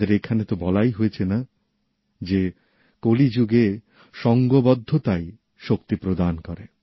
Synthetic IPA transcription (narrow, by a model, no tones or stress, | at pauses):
eɾekʰanet̪obɔlajɦojet͡ɕʰena | d͡ʑe | kolid͡ʑuɡe | ʃɔŋɡobɔd̪ʱːot̪aj | ʃokt̪ipɾod̪ankɔɾe